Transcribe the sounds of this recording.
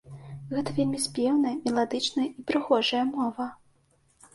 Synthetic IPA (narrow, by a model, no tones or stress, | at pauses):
ɣɛt̪ɐvʲelʲmʲisʲpʲɛwnɐjɐmʲɛlˠad̪ɨt͡ʂnɐjɐipɾɨɣɔʐɐjɐmɔvɐ